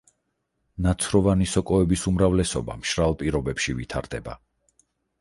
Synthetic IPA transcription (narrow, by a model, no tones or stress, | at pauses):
nat̪sʰɾɔvanisɔkʼɔɛbisumɾavlɛsɔ̰ba̰mʃɾalˠpʼiɾɔbɛpʃivit̪ʰa̰ɾd̪ɛba̰